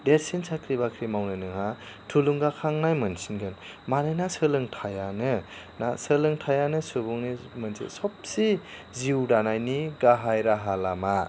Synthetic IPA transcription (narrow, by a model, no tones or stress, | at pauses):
deɾsinsʰakʰɾibakʰɾimawnɯnɯŋɦa | tʰuluŋɡakʰaŋnajmɯnsinɡɯn | manɯjnasɯlɯŋtʰajanɯ | nasɯlɯŋtʰajanɯsubuŋnimɯnsʰḭsɔp̚siziwdanajniɡaɦajɾaɦalama